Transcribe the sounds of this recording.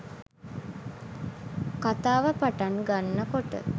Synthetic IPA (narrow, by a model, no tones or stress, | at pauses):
kat̪aːʋəpaʈaŋɡanːəkoʈə̰